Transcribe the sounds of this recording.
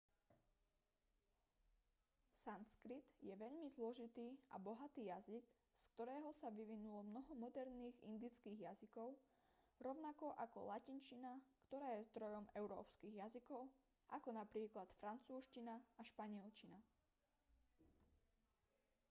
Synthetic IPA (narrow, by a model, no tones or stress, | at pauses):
sanskɾit̪jɛʋɛʎmizlɔʒit̪iːʔa̰bɔɦat̪iːjaziɡ | skt̪ɔɾɛːɦɔsaʋiʋinulɔmnɔɦɔmɔd̪ɛɾniːɣḭnd̪it͡skiːɣjazikɔʊ | ɾɔʊnakɔʔakɔ̰lacint͡ʃinakt̪ɔɾaːjɛzd̪ɾɔjɔmɛʊɾɔ̰ːpskiɣjazikɔʊ | ʔakɔnapɾiːklat̪fɾant͡suːʃcinaaʃpaɲɪɛlt͡ʃina